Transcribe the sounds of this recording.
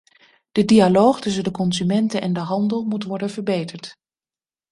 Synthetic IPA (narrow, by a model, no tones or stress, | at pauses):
d̥ədialoːχtɵs̬əndəkɔnzymɛntəʔɛndəɦɑndəlˠmutʋɔɹdənvəɹbejtəɹt